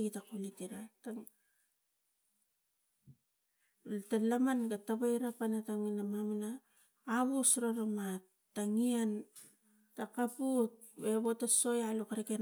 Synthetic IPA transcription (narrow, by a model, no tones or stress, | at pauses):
ɡitakulitiɾata | talamanɡataβajɾapanataŋinamaminaː | βusɾoɾama | taŋian | takaput̚be̞βotaso̞jalukaɾeken